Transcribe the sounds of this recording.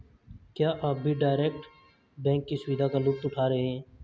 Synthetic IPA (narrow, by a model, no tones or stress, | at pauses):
kjaːʔaːbbʱiɖaːɾeːk̚ʈ | bɛ̃ːŋkːisʊʋiːd̪ʱaːkaːlʊp̚t̪ʊʈʰaːɾɐɦeɦɛ̃ː